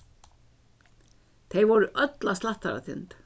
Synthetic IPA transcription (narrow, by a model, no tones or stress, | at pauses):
t̪ʰejvɔɾʏʔœt̪last̪laht̪aɾa̰θʰɪ̰nt̪